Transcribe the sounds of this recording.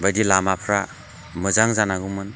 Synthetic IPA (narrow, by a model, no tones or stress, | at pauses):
bajdilamapʰɾa | mɯzaŋzanaɡumɯn